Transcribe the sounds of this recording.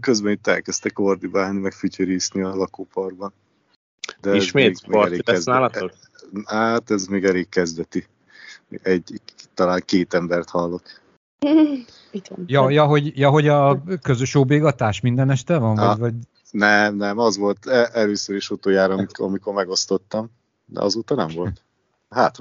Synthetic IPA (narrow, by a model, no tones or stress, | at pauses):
køzbɛnit̪ːɛlkɛst̪ɛkord̪ibaːlnimɛkfycøɾiːsniɒlɒkoːpɒrbɒn | d̪ɛiɛzʃmeːtːɡmːoɛleːɛznaːlt̪o | hat̪ɛzmeːɡɛleːkkːɛzd̪ɛt̪i | ɛɟt̪ːɒlaːŋkeːt̪ɛmbɛrt̪hɒlːo̞k | iɡɛ̰njɒjɒɦo̞ɟjɒɦo̞ɟɒkøzøʃoːbeːɡɒt̪aːʃmind̪ɛnɛʃt̪ɛvɒɱvɒvɒɟ | nɛmnɛmɒzʋo̞lt̪ɛɛløːsøɾeʃot̪oːjaːɾɒmiɒmiko̞rmɛɡo̞st̪o̞t̪ːɒm | d̪ɛ̰ʔɒ̰zoːt̪ɒnɛɱvo̞lt̪ | haːt̪